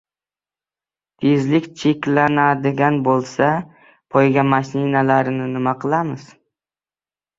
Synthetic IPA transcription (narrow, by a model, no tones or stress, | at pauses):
t̪ʰezlɪkʲt͡ʃʰe̞kʲlanad̪ɪɡʲanbolˠsa | pʰɒjɡʲamaʃninalaɾɪnɪnɪmaqʰɨlˠamɪz̥